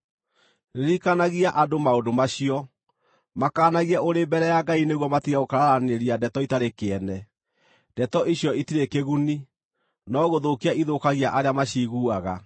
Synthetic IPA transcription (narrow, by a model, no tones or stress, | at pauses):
neɾikanaɣiaʔadomaodomaɕiɔ | makaːnaɣiaoɾebɛɾɛjaɡaineɣwɔmatiɣaokaɾaɾaneɾiadɛtɔitaɾekeɛnɛ | d̥ɛtɔʔiɕjɔitiɾekeɣuni | nɔɣoðokiaʔiðokaɣiaʔaɾeamaɕiɣuaɣa